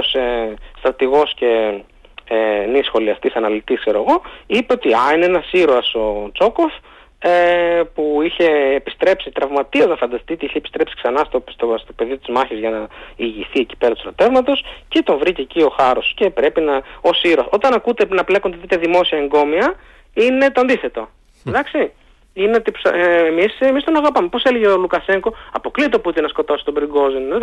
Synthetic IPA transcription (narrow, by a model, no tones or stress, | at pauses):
osest̪ɾɐt̪iɣo̞sce̞ | enisxo̞liɐst̪isɐnɐlit̪iskse̞ɾo̞eɣo̞ipe̞ot̪iɐineenɐsiɾoɐso̞t͡so̞ko̞f | epuiçe̞ːpist̪ɾe̞psit̪ɾɐvmɐt̪iɐznɐfɐnd̪ɐst̪it̪eiçepi̥st̪ɾe̞psi̥ksɐnɐst̪ost̪ost̪o̞pe̞ðit̪izmɐçizʝɐnɐiʝisθieci̥peɾɐt̪usɾot̪e̞vmɐt̪o̞scet̪o̞ɱvɾiceːcio̞xɐɾo̞sce̞pɾe̞pinɐo̞siɾoso̞t̪ɐnɐkut̪enɐplekond̪et̪it̪ɐðimo̞siɐeŋɡo̞miɐ | ine̞t̪oɐnd̪iθe̞t̪o̞ | ðɐksi | inet̪ipsemisemist̪onɐɣɐpɐme̞po̞seleʝeolukɐse̞ŋko̞ɐpo̞klit̪o̞put̪enɐsko̞t̪o̞si̥t̪obɾiɡo̞zin